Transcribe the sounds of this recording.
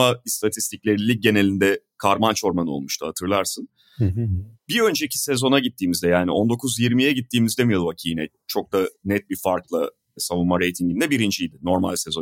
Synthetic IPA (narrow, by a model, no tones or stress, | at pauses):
aist̪ʰat̪ʰist̪ʰiclʲe̞ɾinlʲːic̚ɟe̞ne̞lʲind̪ɛkʰaɾmant͡ʃo̞ɾmanɯo̞̰lˠmuʃt̪ʰuhat̪ʰɯɾlˠaɾsɯn | biø̞nd͡ʒeicʰi̥se̞zo̞naɟit̪ːiːmizd̪ɛjaːnio̞nd̪o̞kʰuzjiɾmijɛɟit̪ʰːiːmizd̪emijo̞d̪vacʰijnɛ | t͡ʃʰo̞k̚d̪anɛt̪̚bifaɾklˠa | samumːaɾejt̪ʰiŋɟind̪ɛbiɾind͡ʒijd̪ɪno̞ɾma̰lʲse̞zo̞